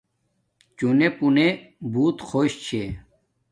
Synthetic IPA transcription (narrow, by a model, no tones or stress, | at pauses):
t͡ɕunepunebuːt̪xʰoːɕt͡ɕʰe